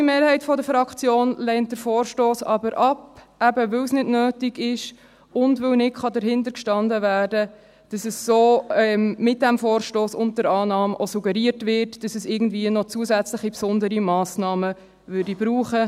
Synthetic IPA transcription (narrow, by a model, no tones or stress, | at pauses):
imeːɾhɛɪtfɔdəɾfɾɑkt͡sjoːnlɛntdəɾfoːɾʃtoːsɑ̰bəɾʔɑpʔæbəvɵwsnɪdnøːtiɡɪʃ | ʊndʋɵwnɪtχɑdəɾɦɪndəɾkʃtɑndəvæːɾdə | d̥ɑsəssoːɛmmɪt̚d̥æmfoːɾʃtoːsʊnt̚dəɾɑːnɑːmʔosuɡəɾiətvɪɾtd̥ɑsəsɪɡn̩dviənɔt͡suəsæt͡slɪχipsʊndəɾimɑːsnɑːmə | ʋʏɾdibɾuːχə